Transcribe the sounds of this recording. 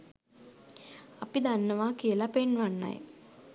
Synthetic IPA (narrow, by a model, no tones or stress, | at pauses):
apid̪anːəʋakijəlapenʋanːa̰j